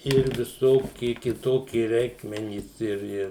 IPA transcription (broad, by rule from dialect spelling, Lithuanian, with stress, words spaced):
ɪr ʋʲɪˈsoːkʲɪ kʲɪˈtoːkʲɪ ˈrʲɛɪkmʲɛnʲiːs ɪr ˈɪr